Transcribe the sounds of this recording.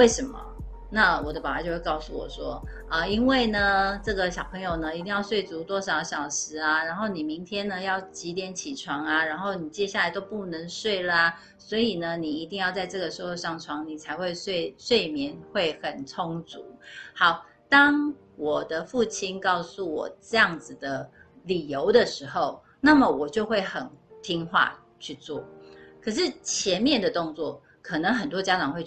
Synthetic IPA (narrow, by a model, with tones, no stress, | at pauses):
we˥˩ɪʂə˧˥nmɐ̰˨ | na˥˨wɔ˨˩d̪ə˦pa˨˩a˨˦jo˥˧ʊwe˥˧kɑ˥˧ʊsu˥˩wɔ̰˨˩ʂwɔ˦˥ | ʔə˧i˦˥nwe˥˩ɪnə˩ʈ͡ʂɤ˥˩ɡə˨˩ɕjɑ˨˩ʊpʰə˧˥ŋjo˨˩ʊnə˦i˧t̪̬i˥˧ŋjɑ˥˧ʊswe˥˩ɪt͡su˧˥t̪wɔ˥ʂɑ˨˥ʊɕjɑ˨˩ʊʂɻ̩˧˥a˧ɻa˧˥nxo˥˩ʊni˨˩mi˧˦˥ŋt̪ʰjɛ˥nnə˨jɑ˥˩ʊt͡ɕi˧˥t̪̬jɛ˧˥nt͡ɕʰi˨˩ʈ͡ʂʰwɑ˧˥ŋa˧ɻa˧˥nxo˥˩ʊni˨˩t͡ɕjɛ˥ɕja˥˩la˧ɪt̪o˥ʊpu˥˩nə˧˥ŋswe˥˩ɪlə˩a˦ | swɔ˧˥i˨˩nə˦ni˨˩i˧˥t̪i˥˧ŋjɑ˥˧ʊt͡sa˥˧ɪʈ͡ʂɤ˥˩ɡə˩ʂɻ̩˧˥xo˥˧ʂɑ˥˩ŋʈ͡ʂʰwɑ˧˥ŋni˨˩t͡sʰa˧˥ɪxwe˥˧ɪswe˥˧ɪswe˥˩ɪmjɛ˧˥nxwe˥˩ɪxə˨˩nt͡sʰʊ˦ŋt͡sṵ˨˩˦hɑ˨˩˦ʊ | t̪ɑ˥ŋ | wɔ˨˩d̪ə˨fu˥˩t͡ɕʰi˥nkɑ˥˧ʊsu˥˩wɔ̰˨˩ʈ͡ʂɤ˥˧jɑ˥˩ŋd͡z̩˩d̪ə˩ | li˨˩jo˧˦ʊd̪ə˨ʂɻ̩˧˥xo˥˨ʊ | na˥˩mə˨wɔ˨˩t͡ɕjo˥˧ʊxwe˥˩ɪxə˨˩nt̪ʰi˥ŋxwa̰˥˧ | t͡ɕʰy˥˧t͡swɔ̰˥˩kʰə˨˩ʂ̬ɻ̩˥˩t͡ɕʰjɛ˧˥nmjɛ˥˨nd̪ə˩t̪o˥˧ŋt͡swɔ˥˨˩ | kʰə˨˩nə˧˦˥ŋxə˨˩nt̪wɔ˥t͡ɕja˥ʈ͡ʂɑ˨˩ŋxwe˥˧ɪ